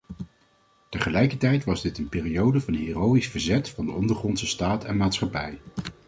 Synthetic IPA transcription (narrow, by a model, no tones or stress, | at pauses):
təχəlɛjkətɛjtʋɑzdɪtənpɪːrijowdəvɑnɦiːrowisfəɹzɛtfɑndəɔndəɹχrɔnsəstaːtʰɛnmaːtsχɑpɛj